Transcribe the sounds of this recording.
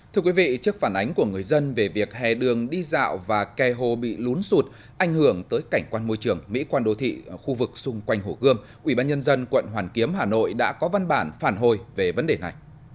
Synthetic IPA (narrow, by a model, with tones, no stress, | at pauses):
t̪ʰɨ˧əkwi˨˦vḭ˧˨t͡ɕɨ˦˥ək̚faː˧˩nʔa˨˦jŋ̟ku˧˩əŋɨ˨˩əjzə˧nve˨˩vi˨˩ək̚hɛ̰˧˩ɗɨ˨˩əŋɗi˧za̰ː˧˨wvaː˨˩kɛ˨˩ɦo˨˩ɓḭ˧˨lu˨˦nsu˨˩t̚ | ʔa˧˩jŋ̟hɨ˧˩əŋt̪əː˨˦jka˧˩ŋ̟kwaː˧nmo˧jt͡ɕɨ˨˩əŋmḭ˧˥kwaː˧nɗo˨˧˦t̪ʰḭ˧˨xu˧vɨ˨˩k̚sʊ˧ŋ͡mkwa˧jŋ̟ɦo˧˩ɣɨ˧əm | ʔwi˧˩ɓaː˧nɲə˧nzə˧nkwə̰˧˨nɦwaː˨˩nki˨˦əmhaː˨˩no̰˧˨jɗa̰ː˧˥kɔ˨˦va˧nɓaː˧˩nfaː˧˩nɦo˨˩jve˨˩və˨˦nɗe˨˩na˨˩j